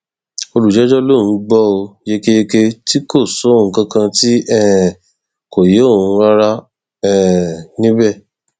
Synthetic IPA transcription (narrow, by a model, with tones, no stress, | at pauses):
o˧lu˨d͡ʒɛ˨˦d͡ʒɔ˦lõ˦˨ũ˨˦ɡ͡bɔ˦o˧je˧ke˧je˧ke˧ti˦ko˦˨so˨˦˨ũ˨˧kã˦kã˧ti˦ɛ˦˨ | ko˨je˨˦o˦˨ũ˨˧˦a˦ɾa˦ | ɛ˦˨nĩ˦bɛ˦˨